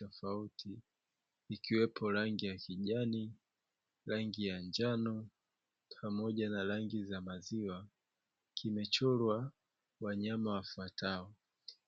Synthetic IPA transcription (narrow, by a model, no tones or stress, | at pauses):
ɔfautʰiː | kiwɛpʰɔɾaŋɡijakʰiʄani | ɾaŋɡijand͡ʒanɔ | pʰamɔʄanaɾaŋɡizamaziwa | kʰimɛt͡ʃɔlwa | waɲamawafwatʰaɔ